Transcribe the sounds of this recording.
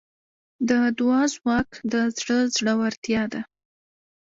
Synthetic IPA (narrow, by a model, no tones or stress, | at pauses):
d̪əd̪wɑzwɑkd̪əzɽəzɽəwaɾt̪jɑd̪a